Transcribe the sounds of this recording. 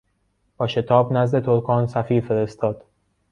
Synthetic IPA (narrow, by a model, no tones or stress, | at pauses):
b̥ɒːʃe̞t̪ʰɒːbnæzd̪e̞t̪ʰoɾkʰɒːnsæfiːɾfe̞ɾe̞st̪ʰɒːd̪̥